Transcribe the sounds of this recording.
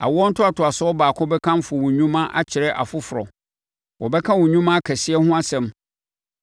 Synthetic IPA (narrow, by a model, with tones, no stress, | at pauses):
a̰˨wɔ˦n̩˦tʰʊ˦a˨tʰʊ˨a˨sɔ˦ɔ˦baː˨kʰʊ̃˦bɛ˦kʰã˦m˦fʊ˨wɔ̃˨ɲũ˦mã˦ʔa̰˦t͡ɕʰɪ˨ɾɛ˦ʔa̰˨fʊ˦fʊ˨ɾɔ˨ | wɔ˨bɛ˦kʰã˦wʊ̃˨ɲũ˦mã˦a˦kʰɛ˨sɪ˦ɛ˦hʊ̃˦a˦sɛ̃˨m